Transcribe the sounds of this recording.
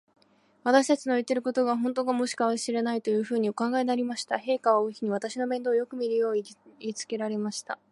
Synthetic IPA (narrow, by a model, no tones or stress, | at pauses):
β̞at̪aɕi̥t̪at͡ɕino̞it̪ːe̞ɾɯ̟ko̞t̪o̞ɡaɦõ̞nt̪o̞ːɡamo̞ɕi̥kaβaɕiɾe̞nait̪o̞jɯ̟ːɸɯ̟ːɲ̟iokãŋɡaenaɾʲimaɕi̥t̪aɦe̞ːkaβaoːçʲiɲ̟iβat̪aɕino̞bẽ̞nd̪o̞ːjo̞kɯ̟mʲiɾɯjo̞ːɲiiit͡sɨ̥ke̞ɾaɾe̞maɕi̥t̪a